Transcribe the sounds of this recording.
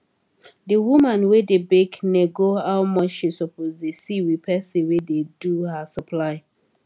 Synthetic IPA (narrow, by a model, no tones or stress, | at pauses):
dəwumãnwedebekneɡohawmɔt͡ʃʃisɔpʰozdesiwipʰɛsiwededuhasəpʰlaɪ